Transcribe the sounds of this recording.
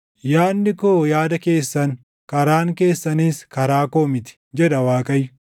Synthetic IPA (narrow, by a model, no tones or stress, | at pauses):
jaːnːɪkoːjaːd̪ɐke̞ːsːɐn | kɐɾaːŋke̞ːsːɐniːskɐɾaːko̞ːmɪt̪ɪ̥ | d͡ʒɛᶑɐwaːkʼɐjʊ